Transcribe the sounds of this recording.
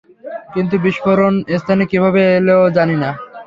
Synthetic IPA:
kint̪̬ubiʃfoɾonest̪ʰanekibʱabeeleod͡ʑanina

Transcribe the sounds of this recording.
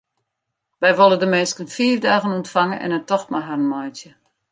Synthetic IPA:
ʋɛjʋolˠədəmɪnskənfiːəvdaːɣənuntfaŋənʔɛ̰nətɔxmaɦarəmɔjtjə

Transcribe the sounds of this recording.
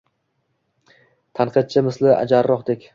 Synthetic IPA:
t̪ʰanqʰɨd̪̚t͡ʃʰɪmɪslɪʔa̰d͡ʒaɾːɒqd̪ekʲ

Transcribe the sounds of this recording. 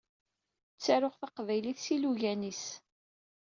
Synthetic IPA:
t͡sːaɾʊχθaqvæjliθsiluʝænis

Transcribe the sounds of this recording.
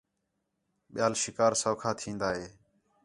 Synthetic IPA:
ɓɪjaːlʃɪkaːɾsoːkʰaːt̪ʰĩːnd̪aːɦeː

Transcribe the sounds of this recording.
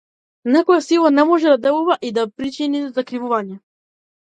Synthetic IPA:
nɛkɔjɛsilˠanɛmɔʒɛd̪ad̪ɛluvaʔid̪apɾit͡ʃinizakɾivuvaɲɛ

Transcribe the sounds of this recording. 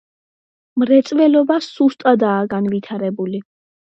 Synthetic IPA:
mɾɛt̪sʼvɛlɔbasust̪ʼad̪aːɡanvit̪ʰaɾɛbuli

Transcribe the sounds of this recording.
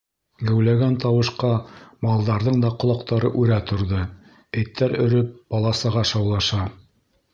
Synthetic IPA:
ɡæwlæɡænt̪ɑwɤ̆ʃqɑmɑlˠd̪ɑɾðɤɴd̪ɑqŏlˠɑqt̪ɑɾɤʔʉɾæt̪ŏɾðɤ | æ̆jt̪ːæɾɵ̆ɾɵp̚b̥ɑlˠɑsɤ̆ʁɑʃɑwlˠɑʃɑ

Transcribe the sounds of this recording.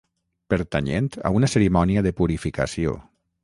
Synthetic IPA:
pəɾt̪aɲent̪a̰unasəɾimɔniəðəpuɾifikasio̰

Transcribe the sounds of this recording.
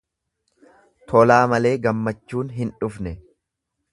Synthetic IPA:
t̪ʰɔlaːmɐle̞ːɡɐmːɐt͡ʃːuːnɦɪnᶑʊfnɛ

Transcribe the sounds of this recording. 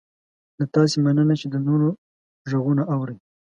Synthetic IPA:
d̪at̪ɑsemanənat͡ʃed̪ənoɾo | ʒaɣunaʔawɾəj

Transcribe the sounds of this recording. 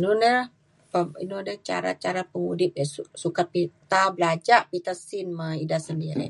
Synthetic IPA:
nudə | pəḭnudət͡ʃa̰ɾa̰t͡ʃaɾapəŋudɪp̚əsusukat̪̚pit̪abəlad͡ʒaʔpit̪asinmaidasəndiɾḭ

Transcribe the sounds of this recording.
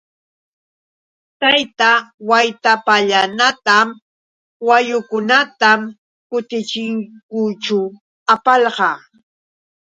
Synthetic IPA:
t̪ajt̪awajt̪apaʎanat̪am | wajʊkʊnat̪am | kʊt̪ɪt͡ʃɪŋkʊt͡ʃʊ | apɑʎɢɑː

